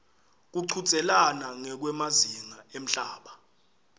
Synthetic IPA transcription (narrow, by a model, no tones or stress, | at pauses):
k̬uǀʰut͡sʼɛlanaŋɛk̬wɛmaziŋaem̩ɬaːɓa